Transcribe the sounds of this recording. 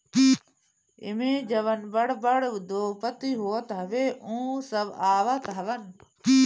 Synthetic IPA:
ɪ̰mẽːd͡ʒɐʋənbəɽbəɽʋd̪oːpət̪iɦoːt̪ɦɐʋeːũːsəbaːʋat̪ɦɐʋən

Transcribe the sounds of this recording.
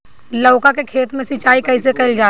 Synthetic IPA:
lɐʊkakekʰeːt̪mẽsɪt͡ʃaːikɐisekɐɪld͡ʒaː

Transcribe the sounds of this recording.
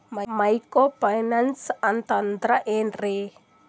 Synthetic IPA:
mamajkobajnansant̪and̪ɾaʔenre

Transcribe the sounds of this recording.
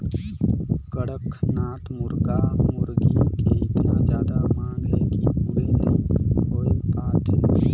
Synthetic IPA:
kəɽəkʰnaːt̪mʊɾɡamʊɾɡikeɪt̪nãd͡ʒjaːd̪amaːnɦɛkiuɾẽnd̪ikoːipaːʈ̪ɦɛː

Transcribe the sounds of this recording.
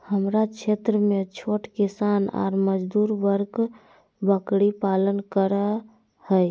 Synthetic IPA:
həmɾat͡ʃʰet̪ɾəmet͡ʃʰoʈkisana̰ɾməd͡ʒd̪uɾbəɾk | bəkɽipalənkəɾə | həj

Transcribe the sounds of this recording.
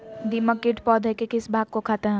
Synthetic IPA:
d̪iməkːɪʈpɔːd̪ʱɛkekɪsbʱaːɡ̚kokʰaːt̪eɦɛ̃

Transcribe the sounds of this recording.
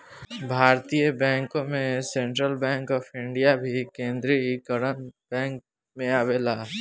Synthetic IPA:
bʱaːɾt̪ijebɛ̃ːŋkõmẽsẽɳʈɾəlbɛ̃ːŋkɔːpʰɪ̃ɳɖijabʱikẽːnd̪ɾikəɾənbɛ̃ːŋk̚ | mẽaːbeːlaː

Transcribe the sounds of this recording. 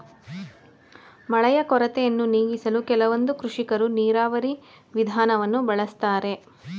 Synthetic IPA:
mɐɭɐjɐkɔɾɐt̪ɛjɐnːuniːɡisɐlukɛlɐʋond̪ukɾuʂikɐɾuniːɾaːʋɐɾi | ʋid̪ʱaːnɐʋɐnːubɐɭɐst̪aːɾe̞

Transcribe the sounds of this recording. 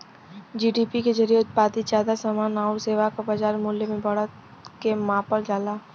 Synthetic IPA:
d͡ʒiːɖiːpiked͡ʒəɾijeʊt̪̚paːt̪id͡ʒaːd̪asaːmaːnaːʊɾseːʋakabad͡ʒaːɾmuːljemẽbɐɽət̪ | kemãːpəɾd͡ʒaːlaː

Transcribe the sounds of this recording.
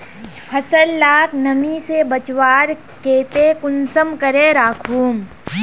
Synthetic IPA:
pʰɐsəlːaːknəmisebət͡ʃwaːɾ | keːt̪ekʊnsəmkəɾeɾaːkʰuːm

